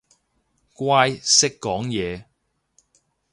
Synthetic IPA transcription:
kwaː˥jsɪ˥kːɔː˨˥ŋjɛː˨˧

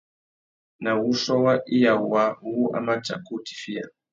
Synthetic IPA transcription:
na˨wu˦ʃɔ˦wa˦ʔi˦ja˨u˨wa˦wu˦a̰˦ma˦t͡ʃa̰˨ku˦ti̥˨fi˦a̰˨

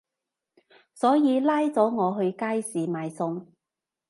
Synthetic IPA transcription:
sɔː˨˥jiː˨˧laː˥jt͡sɔː˨˥ŋɔː˨˧ɦɵ˧ɥkaː˥jsiː˨˩maː˨jsʊ˧ŋ

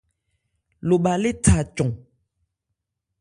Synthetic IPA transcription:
lo˨ɓa˨le˦tʰa˨t͡ʃɔ̃˨

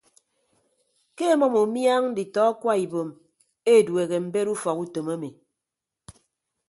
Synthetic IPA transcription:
ke˦mɔ˦mo˨mja˦ŋ̩˦di˨tɔ˦kwa˦i˨bo˨m | e˦˨dwe˨ɣe˨m̩˨be˦ɾu˦fɔ˨ku˦to˨ma˦mi˨

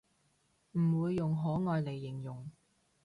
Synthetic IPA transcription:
m̩˨˩wuː˨˧jːʊ˨ŋɦɔː˨˥ŋɔː˨˧jle˨˩jːɪ˨˩ŋjʊ˨˩ŋ

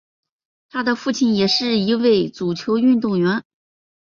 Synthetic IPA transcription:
t̪ʰa˥d̪ə˨fu˥˩t͡ɕʰi˧˩njɛ˨˩ʂɻ̩˥˩i˧˥we˥˩ɪt͡su˨˩t͡ɕʰjo˧˥ʊy˥˧nt̪ʊ˥˩ŋɥɛ˧˥n

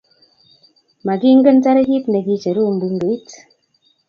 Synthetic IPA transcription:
ma˨ɡi˦ŋ̩˦ɡə˦n˦ta˦ɾe˦ɡi˦tne˨ɡi˦t͡ʃə˨ɾu˦˨m̩˨bu˦ŋ̩˦ɡe˨i˦t

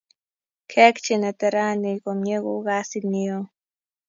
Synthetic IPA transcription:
kʰe˦kt͡ʃi˨na˨t̪a˨ɾa˦ni˨˧komɲe˦ɡuɣasi˦nio˦

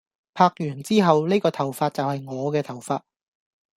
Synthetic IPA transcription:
pʰaː˧k̚jyː˨˩nt͡siː˥ɦɐ˨wne˥kɔː˧t̪ʰɐ˨˩wfaː˧t̚t͡sɐ˨whɐ˨jŋɔː˨˧kɛː˧t̪ʰɐ˨˩wfaː˧t̚

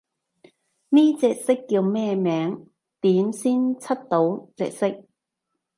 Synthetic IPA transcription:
niː˥t͡sɛː˧k̚sɪ˥kːiː˧wmɛː˥mɛː˨˥ŋ | t̪iː˨˥nsiː˥nt͡sʰɐ˥t̚t̪o˨˥wt͡sɛ̰ː˧k̚sɪ˥k̚

